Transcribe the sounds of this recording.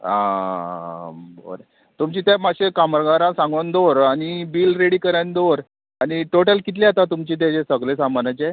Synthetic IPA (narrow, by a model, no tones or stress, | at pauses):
a̰ | bo̰ɾe | t̪umt͡ɕiːt̪jamaɕekaməɾɡaɾãsãŋɡʋənd̪oɾaɽ̃ibiːlɾeɽikəɾand̪oɾ | aɽ̃iʈoʈəlkit̪̬leat̪at̪umt͡ɕiːt̪̬ad͡ʑesəɡlesamanat͡ɕe